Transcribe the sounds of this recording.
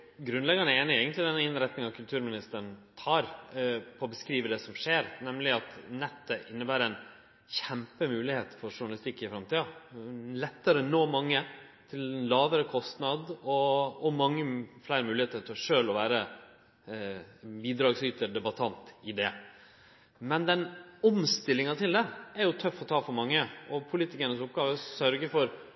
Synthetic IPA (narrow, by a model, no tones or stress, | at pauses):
ɡɾʉnlɛɡɑɳəeːnɪɛːɡənt̪lɪd̪ɛnːəɪnɾɛt̪nɪŋɑkʰʉlt̪ʰʉːɾmɪnɪst̪əɾɳt̪ʰɑːɾpʰɔɔbəskɾiːʋəɖ̪ɛsɔmʂeːɾnɛmlɪɑt̪nɛt̪ːəʔɪnːəbæːɾɛɪn | çɛmpəmʉːlɪheːt̪fɔɾʂʊɳɑlɪst̪ɪkːɪfɾɑmt̪iːɑlɛt̪ːəɾənoːmɑŋːə | t̪ʰɪlɛnlɑːʋəɾəkʰɔst̪nɑd̪ɔɔmɑŋːəflæɪɾəmʉːlɪeːt̪əɾʈʰɪlɔʂøːlɔʋæːɾə | biːd̪ɾɑːɡsyːt̪əɾɖ̪ɛbɑt̪ʰɑnt̪ɪd̪ɛ | mɛnd̪ɛnɔmst̪ɪlːɪŋɑt̪ʰɪld̪ɛæɾjʊt̪ʰœfːɔt̪ʰɑːfɔɾmɑŋːəɔpʰʊliːt̪ɪkəɳəsʊp̚ɡɑːʋəsœɾɡəfɔɾ